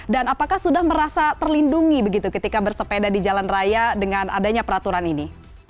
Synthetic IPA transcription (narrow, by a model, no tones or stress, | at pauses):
danapakahsudahməɾasat̪ərlinduŋibəɡit̪ukət̪ikabərsəpedadid͡ʒalanrajadəŋana̰daɲapəɾat̪uɾanini